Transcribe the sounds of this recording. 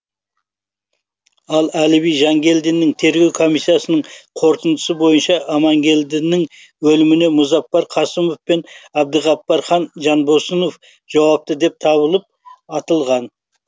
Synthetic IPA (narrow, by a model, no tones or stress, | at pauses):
ɑlˠælɪβijʒɑŋɡʲe̞ld̪ɪnːɪŋt̪ʰe̞ɾɡʲe̞wkʰo̞mijsːijɑsənəɴqʰo̞ɾt̪ənd̪ə̥səbo̞jənʃɑʔːmɑŋɡʲe̞ld̪ɪnɪŋ | wɵlɪmɪne̞mʊzɑpːɑɾqʰɑsəmo̞fpe̞nɑb̚d̪əʁɑpːɑɾχɑnʒɑnbosəno̞f | ʒ̥ɑwɑp̚t̪əd̪e̞p̚t̪ʰɑβəlˠəp̚ɑt̪əlˠʁɑn